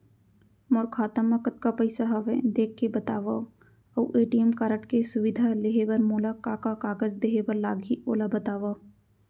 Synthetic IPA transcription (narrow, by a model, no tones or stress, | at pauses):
moɾkʰaːt̪əmːɐkət̪kapɐɪsaɦɐʋẽd̪eːkʰːebɐt̪aːʋa | ɐʋʔeːʈijəmkaɾəʈkesʊʋɪd̪ʱaleɦeʋɐɾmoːlakakakaːɡəzd̪eɦebəɾlaːɡʱioːlabɐt̪aːʋaː